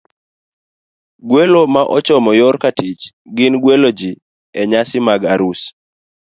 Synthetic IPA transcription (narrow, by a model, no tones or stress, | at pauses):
ɡwelomaʔɔt͡ʃɔmɔjɔɾkatɪt͡ʃ | ɡɪnɡwelod͡ʒi | ɛɲasɪmaɡaɾus